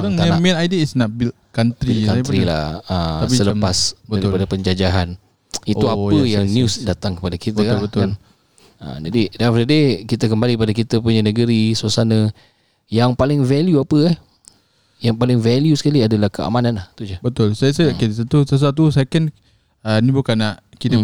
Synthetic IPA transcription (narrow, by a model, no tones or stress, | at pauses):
oɾaaɛ̃namɛ̃najdiəisnat̚bil | kant̪ɾiikanɾila̰əsələpasbaɾipadapəɲd͡ʒad͡ʒaɦan | it̪uaəjaŋnjusdat̪aŋkə̥padakit̪kaət̪an | ə̰d͡ʒadidafladekit̪əkəmbalikəpadak̬it̪əpuɲənəɡəɾisuəsanə | jaŋpalɪŋvɛljuapəɛ | jaŋpalɪŋvɛljusə̥kaliadalahkəa̰mãnãnlaht̪ud͡ʒabət̪ʊlsaasaket̪ət̪usəs̬at̪usɛkən | ənĩbukanːaʔkit̪ə